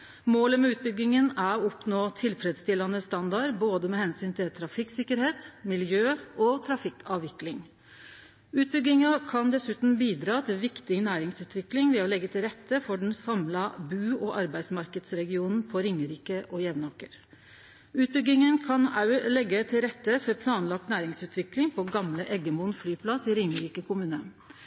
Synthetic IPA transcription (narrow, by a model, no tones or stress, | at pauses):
moːləmɛʉːt̪̚bʏɡːɪŋənæɾɔɔpnoːt̪ʰɪlfɾɛd̪st̪ɪlɑnəst̪ɑnd̪ɑɾboːd̪əmɛhɛnsyːnt̪ʰɪlt̪ʰɾɑfɪksɪkːəɾheːt̪mɪljøːɔt̪ʰɾɑfɪkɑːʋʋɪklɪŋ | ʉːt̪̚bʏɡːɪŋɑkʰɑnd̪ɛsʉːt̪n̩biːd̪ɾɑːt̪ʰɪlʋɪkt̪ɪnæːɾɪŋsʉːt̪ʰʋɪklɪŋʋɛɔlɛɡːət̪ʰɪlɾɛt̪ːəfɔɖɛn̩sɑmlɑbʉːɔʔɑɾbæɪsmɑɾkəd̪sɾɛɡɪuːnn̩pʰɔɾɪŋəɾiːkəʔɔjɛʋnɑkəɾ | ʉːt̪̚bʏɡɪŋənkʰɑnɑʉlɛɡːət̪ʰɪlɾɛt̪ːəfɔɾpʰlɑːnlɑk̚t̪næːɾɪŋsʉːt̪ʋɪklɪŋpʰɔɡɑmləʔɛɡəmʊnflyːpʰlɑsiɾɪŋəɾiːkəkʰʊmʉːnə̰